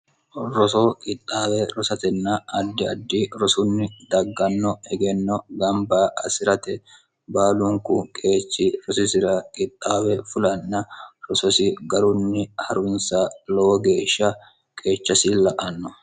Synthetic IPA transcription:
ɾɔsokʼɪt̪ʼːaːwɛɾɔsɐt̪ɛnːɐɐd̪ːɪɐd̪ːɪɾɔsʊnːɪd̪ɐɡːɐnːɔɛɡɛnːɔɡɐmbaːʔɐsɪɾɐt̪ɛ | baːlʊŋkʊkʼe̞ːt͡ʃːɪɾɔsɪsɪɾɐkʼɪt̪ʼːaːwɛfʊlɐnːɐɾɔsɔsɪɡɐɾʊnːɪhɐɾʊnsalɔwɔɡe̞ːʃːɐ | kʼe̞ːt͡ʃːɐsɪlɐʔɐnːɔ

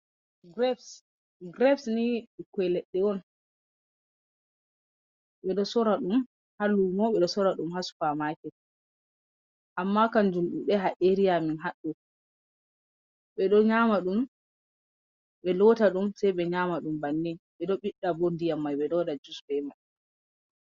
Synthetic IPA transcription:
ɡɾɛfs | ɡɾɛfsniikwɛlɛɗːɛwɔn | ɓɛɗɔsɔɾaɗum | halːumɔɓɛɗɔsɔɾaɗumhasu̥famakɛ | ʔamːakand͡ʒulɗuɗɛɦaʔeɾijaminɦaɗːu | ɓɛɗɔɲamaɗum | ɓɛlɔtaɗumsajɓɛɲamaɗumbanːinɓɛɗɔɓiɗːabondijamːajɓɛɗɔdad͡ʒusbɛmaj

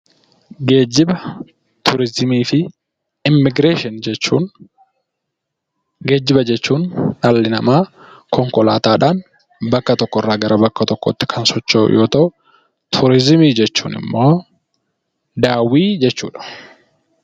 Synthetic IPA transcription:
ɡeːd͡ʒɪbɐ | t̪ʰʊɾɪzɪmiːfɪ | ɪmːɪɡɾe̞ːʃɪnd͡ʒɛt͡ʃːuːn | ɡe̞ːd͡ʒːɪbɐd͡ʒɛt͡ʃːuːnnalːɪnɐmaːkʰɔŋkɔlaːt̪aːᶑaːn | bɐkːɐt̪ɔkːɔrːaːɡɐɾʔɐbɐkːɐt̪ɔkːɔ̰t̪ːɪ̥kʰɐnsɔt͡ʃːo̰ːjʔo̞ːt̪ɐʔʊ | t̪ʰʊɾɪzɪmiːd͡ʒɛt͡ʃːṵːnɪ̰mːo̞ː | d̪aːwiːd͡ʒɛt͡ʃːṵːᶑɐ̥

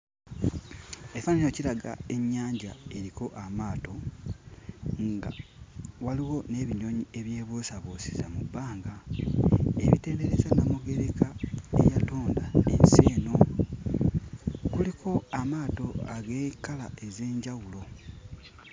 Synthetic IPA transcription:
efaniɲociɾaɡa̰e̞ɲːaːɲɟae̞ɾiko̞ʔamaːto̞ | ŋɡa̰waliwo̞ne̞ːβiɲo̞ɲie̞βje̞ːβoːsaβosi̥zamubːaːŋɡa | e̞̰βiteːnde̞ɾezanamuɡe̞ɾe̞kaḛjato̞ːndanḛnse̞ːno̞ | kulikʰo̞amaːto̞aɡe̞ːkala̰ʔe̞ze̞ːɲɟawulo̞

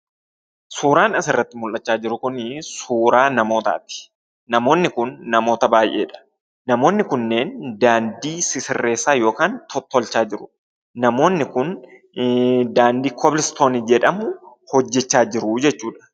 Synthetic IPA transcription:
suːɾaːnʔɐsɪrːɐt̪ːɪmʊlʔɐt͡ʃːaːd͡ʒɪɾʊkʊnsuːɾaːnɐmo̞ːt̪a̰ːt̪ɪ̥ | nɐmo̞ːnːɪkʊnːɐmo̞ːt̪ɐbaːjʔe̞̰ːᶑɐ̥ | nɐmo̞ːnːɪkʊnːeːnd̪aːnd̪iːsɪsɪrːe̞ːsːaːjo̞ːkaːnt̪ʰɔt̪ːɔlt͡ʃːaːd͡ʒɪɾʊ | nɐmo̞ːnːɪkʊn | d̪aːnd̪iːkʰɔblɪst̪o̞ːnɪd͡ʒɛᶑɐmʊ | hɔd͡ʒːɛt͡ʃːaːd͡ʒɪɾʊd͡ʒɛt͡ʃːuːᶑɐ̥

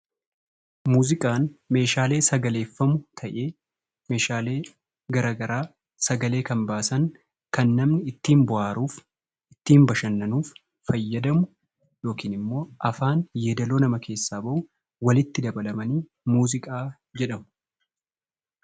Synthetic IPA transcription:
muːzɪkʼaːnme̞ːʃaːle̞ːsɐɡɐle̞ːfːɐmʊt̪ʰɐʔeː | me̞ːʃaːle̞ː | ɡɐɾaːɡɐɾaː | sɐɡɐle̞ːkɐmbaːsɐŋ | kɐnːɐmnɪɪt̪ːiːmbʊʔaːɾuːf | ɪt̪ːiːmbɐʃɐnːɐnuːfː | ɐjːɐd̪ɐmʊ | jo̞ːkiːnɪmːo̞ːʔɐfaːnjed̪ɐloːnɐmɐkʰe̞ːsːaːbɐʔʊ | wɐlɪt̪ːɪd̪ɐbɐlɐmɐniː | muːzɪkʼaː | d͡ʒɛᶑɐmʊ̥

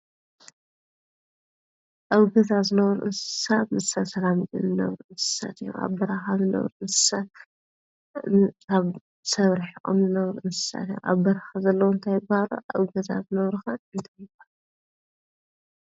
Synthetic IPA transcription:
ʔawɡɐt̪ʰazɨnɐβɾṵʔɨnsɨ̥sat̪mɨsasɐlamjɨ̰nzɨnɐ̰βɾuʔɨnsɨ̥sa̰t̪ɨjṵʔa̰βbɐɾaxazɨnɐ̰βɾuʔɨnsɨ̥sat̪̚ | kʰaβ | sɐβɾiħʔʼo̰mzɨnɐβɾuʔɨnsɨ̥sa̰t̪ijṵʔa̰βbɐɾaxazɐlːɐwɔnt̪ʰajɪbahaɾṵʔɐ̰wɡɐt̪ʰa̰zɨnɐβɾuxaɨnt̪ʰajɨbaɾ

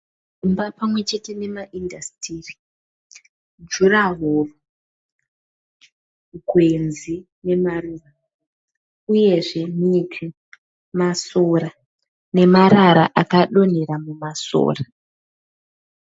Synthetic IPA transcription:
umbapamwe̞t͡ʃe̞te̞ne̞maʔindastiːri | d͡ʒuraɦoːro | ɡʱwe̞nzi | ne̞maruːʋa | uje̞ʐe̞mitʰwi | masoɾa | ne̞maɾaɾaʔakaɗo̞n̤e̞ɾamumaso̰ːra

